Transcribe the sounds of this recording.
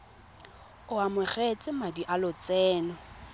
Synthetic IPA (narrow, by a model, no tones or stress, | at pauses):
ʊamʊχet͡sʼɪmadiʔalʊt͡sɛːnɔ